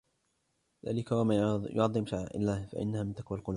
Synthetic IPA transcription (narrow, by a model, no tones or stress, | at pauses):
ða̰ːlɪkawamajʊ̰ʕɑðˤːɨmʃaʕʕʔɪ̰lːaːhfa̰ʔɪ̰nːahaːmɪnt̪akwalqʊlː